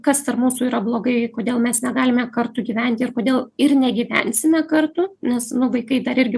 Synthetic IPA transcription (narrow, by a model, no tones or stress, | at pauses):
kɐst̪ɐrmuːsuːiːɾɐblˠoːɡɐɪkoːd̪ʲeːlˠmʲɛsnʲɛɡɑːlʲɪmʲɛkɐɾt̪ʊɡʲiːʋʲɛnʲt̪ʲɪɪrkoːd̪ʲeːlˠɪrnʲɛɡʲiːʋʲæ̰nʲsʲɪmʲɛkɐrt̪ʊnʲɛsnʊʋɐɪkɐɪd̪ɐɾɪɾʲɡʲɪ